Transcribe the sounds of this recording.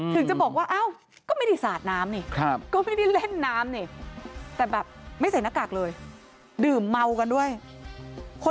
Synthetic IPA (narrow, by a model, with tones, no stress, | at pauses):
t̪ʰɯ˨˩˦ŋt͡ɕa˨˩bɔː˨˩k̚waː˥˩ʔa˧˥˩w | kɔː˥˩ma˥˩jda˦˥˩jsaː˨˩t̪̚naː˦˥mni˧˩kʰp̚kɔː˥˩ma˥˩jda˥˩jle˥˩nːaː˦˥mniː˧˩t̪ɛː˨˩bɛː˨˩p̚ma˥˩jt͡ɕʰa˧˩˦na˦˥kːa˨˩k̚lɤː˧j | dɯː˨˩mːa˧wka˧ndu˥˩əj | kʰo˧